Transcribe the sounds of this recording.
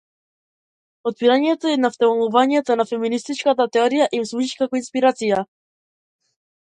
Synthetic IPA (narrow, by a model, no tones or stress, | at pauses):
ɔt̪̚piɾaɲɛt̪ɔɛnaft̪ɛlˠuvaɲɛt̪ɔnafɛminist̪it͡ʃkat̪at̪ɛɔɾijaʔimslˠuʒiʃkakɔinspiɾat̪sija